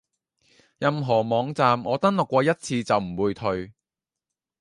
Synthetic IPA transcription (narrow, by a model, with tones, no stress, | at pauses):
jɐ˧mɦɔː˨˩mɔː˨˧ŋt͡saː˨mŋɔː˨˧t̪ɐ˥nlʊ˨kːʷɔː˧jɐ˥t̚t͡sʰiː˧t͡sɐ˨wm̩˨˩wuː˨˧jt̪ʰɵ˧ɥ